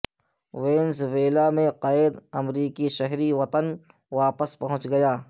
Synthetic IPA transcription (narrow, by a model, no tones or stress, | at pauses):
weːnzʋeːlamẽqaːɪd̪ɐmɾiːkiʃɛɦɾiʋɐt̪ən | ʋaːpəspɐɦʊ̃t͡ʃɡɐjaː